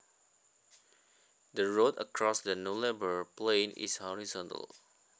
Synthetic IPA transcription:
dəɹotə̰kʰɹɔsdənulɛbəplẽnḭshɔɹizɔ̃ntə̰l

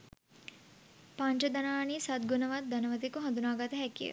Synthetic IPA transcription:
paɳt͡ʃɐd̪anaːniːsat̪̚ɡunɐʋat̪̚d̪ɐnəʋət̪̬ikuɦɐ̃nd̪unaːɡat̪əɦɛkijə̰

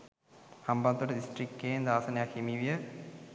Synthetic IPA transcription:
hambant̪oʈədisʈrikːejend̪aːsənejakʰhimiʋijə

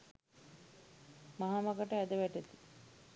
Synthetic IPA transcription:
maɦamakəʈəæd̪əʋæʈet̪i̥

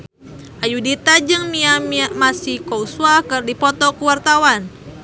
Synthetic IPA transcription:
ʔajudit̪ad͡ʒɨŋmiamiaʔmasikouswakərdipɔt̪ɔkəwart̪awan

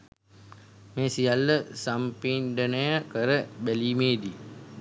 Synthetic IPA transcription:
meːsijalːəsampenɖənəjəkəɾəbæliːmeːd̪i

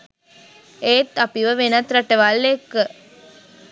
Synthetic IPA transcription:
eːt̪ːɐpiʋəʋenɐt̪ɾɐʈːəʋɐlːekːə

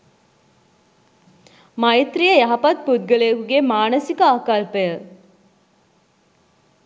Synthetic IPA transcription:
mɐit̪ɾijəjɐɦɐpɐt̪̚pud̪̚ɡəlejəkuɡemaːnəsikəaːkalpəjə

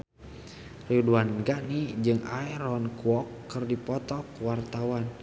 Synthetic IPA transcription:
riuduanɡaʔnid͡ʒɨŋaɛɾɔnkuɔkːɨrdipɔt̪ɔkwart̪awan

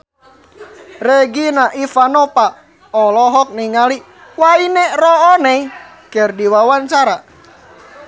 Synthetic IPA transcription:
reɡinaʔifanɔpa | ɔlɔɦɔk̚niŋali | wainɛrɔɔnɛi | kɛrdiwawaɲt͡ʃaɾa

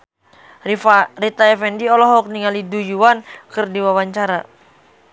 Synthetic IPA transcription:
rit̪aɛfɛndiɔlɔɦɔk̚niŋalidujuwankɨrdiwawaɲt͡ʃaɾa

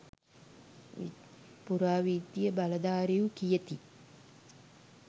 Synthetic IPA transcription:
puɾaːʋiːd̪jəbalɐd̪aːɾejukijət̪i

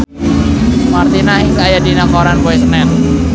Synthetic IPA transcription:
mart̪inaɦiŋkajadinakɔɾanpɔisnɛn

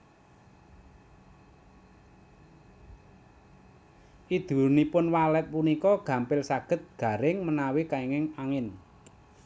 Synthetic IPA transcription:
ʔid̪̥ṳnipʊnwalɛt̪̚punikɔɡ̥ä̤mpɪlsaɡ̥ə̤t̪̚ɡ̥a̤ɾɪŋmənawikaiŋɪŋaŋɪn

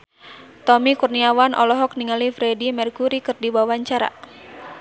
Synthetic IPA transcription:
t̪ɔmikurniawanʔɔ̰lɔɦɔk̚niŋalifɾɛdimɛrkuɾikɨrdibawaɲt͡ʃaɾa̰

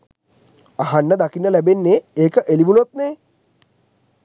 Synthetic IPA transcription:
aɦanːəd̪akinːəlæbenːeeːkəʔeliʋunot̪̚neː

